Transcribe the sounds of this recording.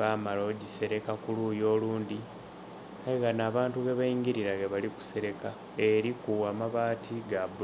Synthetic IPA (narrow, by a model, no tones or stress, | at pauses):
amaloɟise̞ɾe̞kakuluːjo̞ːluːndi | aiɣanaːβaːntuɣeβaiːŋɡiɾiɾaɣeβaliku̥se̞ɾe̞ka | e̞ɾikuamaβaːtʰiɡabu